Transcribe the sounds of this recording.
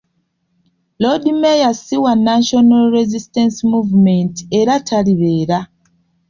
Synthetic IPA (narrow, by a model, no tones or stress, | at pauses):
lodimejasiwanaʃonalɾezistensmuvmenteɾatʰaliβe̞ːɾa